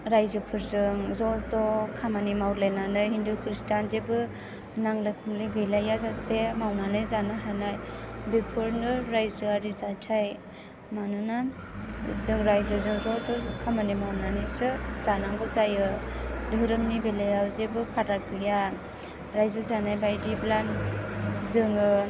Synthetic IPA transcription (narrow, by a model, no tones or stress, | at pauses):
ɾajzɯpʰɯɾzɯŋzɔzɔkʰamanimawlajnanɯjɦindukʰɾistanzebɯ | naŋlɯkʰɯmlɯɡɯjlajazasemawnanɯjzanaɦanajbepʰɯɾnɯɾajzɯaɾizatʰaj | manuna | zɯŋɾajzɯzɯŋzɔzɯkʰamanimawnanɯsɯz̥anaŋɡɯzajɯdɯɾɯmnibelajawzebɯpʰaɾat̚ɡɯja | ɾajzɯzanajbajdiplan | zɯŋɯ